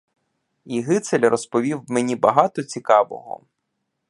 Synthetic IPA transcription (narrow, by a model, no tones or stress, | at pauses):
iɦɪt̪selʲrɔspɔʋʲiwmenʲibɐɦɑt̪ɔt͡sʲikɑʋɔ̰ɦɔ̰